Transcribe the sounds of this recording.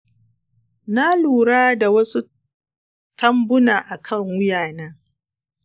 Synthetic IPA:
na˦luː˨ɾaː˦da˨wɐ˦su˦ | tɐ˦mbʊ˦naː˨ʔa˨kʰɐ˦˨ŋwʊ˦jaː˨naː˦

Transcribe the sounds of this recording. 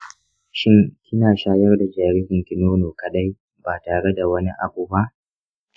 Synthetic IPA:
ʃɪ˦ŋkʲɪ˦naː˨ʃaː˦jɐ˦rda˨d͡ʒaː˨ɾi˦hɪ˨ŋkʲɪ˨noː˦noː˨kɐ˨ɗa˦j | baː˨taː˨ɽe˦da˨wɐ˦ni˦ʔa̰˨buː˨ba˦ʔ

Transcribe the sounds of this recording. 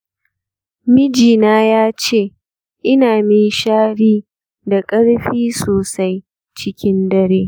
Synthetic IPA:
mɪ˦d͡ʒiː˨naː˦jaː˦t͡ʃeː˦˨ | ʔɪ˦naː˨mi˦ʃaː˦ɽiː˦ | da˨kʼɐ˦ɽɸiː˦soː˨sa˦j | t͡ʃɪ˦kʲɪ˦ndɐ˦ɽeː˦

